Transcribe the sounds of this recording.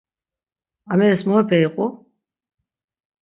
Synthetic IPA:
amɛɾɛsmɔɛpʰɛiqʼu

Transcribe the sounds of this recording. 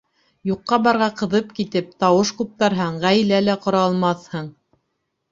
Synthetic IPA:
juqːɑbɑɾʁɑqɤ̆ðɤpkit̪ɘp̚t̪ɑwɤʃqup̚t̪ɑɾɦɤɴʁæjlælæqŏɾɑlˠmɑθhɤɴ

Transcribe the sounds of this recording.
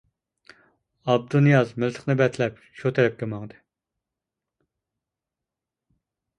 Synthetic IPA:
ɑb̚d̪unjɑzmɪlt̪ʰə̥χnɨbɛt̪ʰlɛp | ʃut̪ʰɛɾɛp̚kʲɛmɑŋd̪ɨ

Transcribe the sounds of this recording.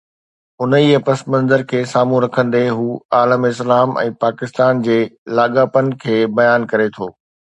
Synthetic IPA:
ʊnəiɐpɐsmɐ̃nzəɾkʰeːsaːmũɾɐkʰə̃nd̪eɦuːaːləmɪs̬laːmɛ̰̃ːpaːkɪst̪aːnd͡ʑeːlaːɠaːpənɪ̆kʰeːbɐjaːnkɐɾet̪ʰoː

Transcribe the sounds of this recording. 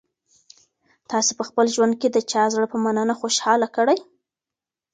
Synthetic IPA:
t̪ɑsepəxpəlʒwand̪̚ked̪ət͡ʃɑzɽəpəmananaxoʃhɑlakəɽaj

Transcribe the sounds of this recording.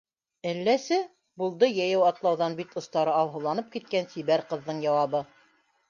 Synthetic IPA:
ælːæsɘ | bulˠd̪ɤjæjɘwɑt̪lˠɑwðɑnbit̪ŏst̪ɑɾɤɑw̪ˠɦɤ̆lˠɑnɤp̚kit̪̚kænsiβæɾqɤ̆ðːɤɴjɑwɑβɤ

